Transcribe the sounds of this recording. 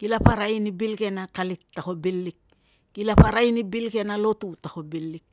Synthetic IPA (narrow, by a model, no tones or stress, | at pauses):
kilapaɾajnibilke̞nakalitːako̞bilːik̚ː | ilapaɾajnibilke̞nalotutako̞bilːik̚